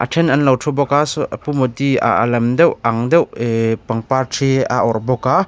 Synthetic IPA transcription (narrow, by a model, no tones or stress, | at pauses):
ʔa̰tʰɛnɐnlɐwtʰɔbɔkasuʔapumɔt̪ia̰a̰lɐmd̪ɛwaŋd̪ɛwepaŋpartʰea̰ʔɔɾbɔka